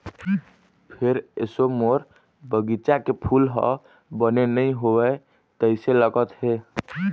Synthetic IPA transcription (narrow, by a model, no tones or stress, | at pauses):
pʰeɾḛsomoɾ | bəɡit͡ʃakepʰulɦɔ̰ | bənenəjɦowɛ | t̪əɪseləɡət̪ɦe